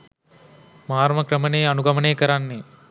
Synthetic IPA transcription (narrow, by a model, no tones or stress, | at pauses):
mɐɦaːɾmɐkɾɐmɐneːɐnuɡɐmɐneːkɐɾanːeː